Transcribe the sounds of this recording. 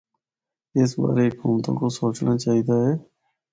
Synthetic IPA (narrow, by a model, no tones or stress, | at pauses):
ɪs̬ba̰ːɾeɦɪkuːmt̪õ̰ːkoːsoːt͡ʃnaːt͡ʃaːɦiːd̪aːɦɛː